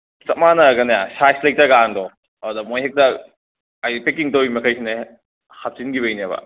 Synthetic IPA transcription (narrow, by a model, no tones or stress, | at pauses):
sɐmanɐɡɐnajasajslɐjk̚tɐɡandɔ | adɐmojɦek̚tɐ | ajpek̬iŋtɐwimɐkʰajsine | hap̚t͡ʃinɡibɐjniabɐ̰